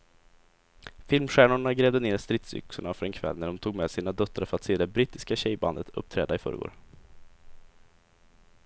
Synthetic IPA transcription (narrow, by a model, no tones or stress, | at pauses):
fɪlmɧæːɳʊɳaɡɾɛːvd̪əneːɾst̪ɾɪt̪sʏ̰ksʊɳafœɾɛnkʰvɛ̰lːnæɖɔmt̪ʰuːɡmɛːd̪siːnad̪œt̪ːɾaɾfœɾat̪seːd̪ɛbɾiːt̪ɪskaɕɛjba̰nd̪ət̪ʰɵ̰p̚ːt̪ʰɾɛːd̪aɪfœ̰ɾəɡo̰ːɾ